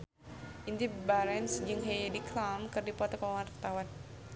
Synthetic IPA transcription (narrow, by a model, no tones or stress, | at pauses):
ʔint̪ibaɾɛnsd͡ʒɨŋɦejdiklamkɨrdipɔt̪ɔkɔwarat̪awan